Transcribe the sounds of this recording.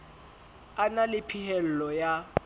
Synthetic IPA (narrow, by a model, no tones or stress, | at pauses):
analɪpʰihɛl̩lɔja